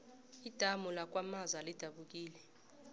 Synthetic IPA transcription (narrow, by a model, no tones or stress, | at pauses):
id̥ʱamulak̬ʼwamazalid̥ʱaɓuk̬ʼiːlɛ